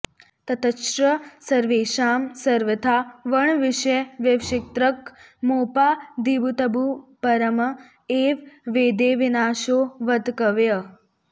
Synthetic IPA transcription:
t̪ɐt̪ʰɐʃɾəsɐɾʋeːʃaːmsɐɾʋət̪ʰaʋəɳʋɪʃɐjʋjeʋʃɪk̚t̪ɾəkmoːpaːd̪ibut̪ɐbupɐɾəm | eːʋʋeːd̪eːʋinaːʃoːʋɐd̪kəʋjɐ

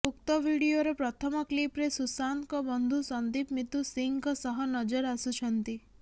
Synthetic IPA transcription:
uk̚t̪ɔbʱiɽioɾepɾɔt̪ʰɔmɔklipɾesusankɔbɔnd̪ʱusɔnd̪ipmit̪usiŋkɔsɔɦɔnɔd͡ʒɔɾasut͡ʃʰɔnt̪i

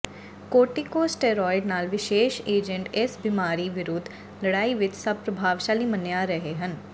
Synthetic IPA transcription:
koːʈikoːsʈeːɾɔːɪɖnaːlʋɪʃeːʃeːd͡ʒə̃ɳʈɪsbɪmaːɾiʋɪɾoːd̪ʱ | ləɽaːiʋɪt͡ʃsɐb̚pɾəbʱaːʋʃaːlimənjaɾəɦeɦən

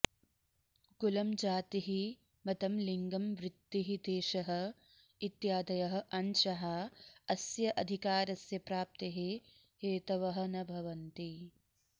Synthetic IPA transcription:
ɡulɐmd͡ʒaːt̪iɦi | mɐt̪ɐmliŋɡɐmʋɾɪt̪ːiɦid̪eːʃɐɦɐ̆ | it̪jaːd̪ɐjɐɦɐ̆ʔɐnʃɐɦɐɐsjɐʔɐd̪ʱikaːɾɐsjɐpɾaːp̚t̪eɦi | heːt̪ɐʋɐɦɐ̆nɐbʱɐʋɐnt̪i

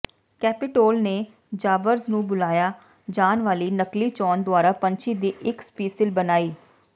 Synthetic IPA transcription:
kɛːpɪʈoːlneː | d͡ʒaːʋəɾznũːbʊlaːjaː | d͡ʒaːnʋaːliːnəkliːt͡ʃɔːnd̪ʊwaːɾaːpə̃ɲt͡ʃiːd̪iːʔɪkspiːsɪlbənaːiː

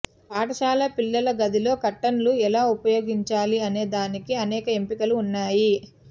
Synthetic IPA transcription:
aːʈɐʃaːlɐpilːɐlɐɡɐd̪ilo̞ːkɐʈːɐnluɛlaːupɐjo̞ːɡiɲt͡ʃaːliɐne̞ːd̪aːnikiɐnɛːkɐempikɐluːnːaːji

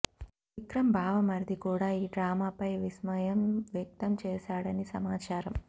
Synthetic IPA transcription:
ikɾɐmbʱaːʋɐmɐɾd̪ʱikuːɽaːiːɖɾaːmaːpɐjʋismɐjɐmʋjɐk̚t̪ɐmt͡ʃɛːsaːɽɐnisɐmaːt͡ʃaːɾɐm

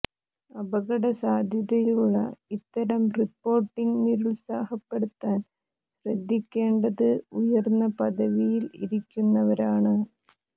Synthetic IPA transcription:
ɐbɐɣɐɽɐsaːd̪ʱjɐðɐjuɭːɐ̰it̪ːɐɾɐmripːo̞ːrʈːiŋɡniɾuɭsaːhɐpːe̞ɽut̪ːaːn | ɕrɐd̪ʱːikʲːe̞ːɳɖɐðɨujɐrnːɐpɐðɐʋijilḭɾikʲːunːɐʋɐɾaːɳɨ

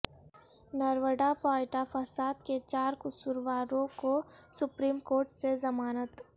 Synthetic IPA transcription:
nəɾwəɖapaːɪʈafʰəsaːd̪ket͡ʃaːɾkʊsuɾʋaːɾõkosʊpɾiːmkoːɾʈsezɐmaːnət̪

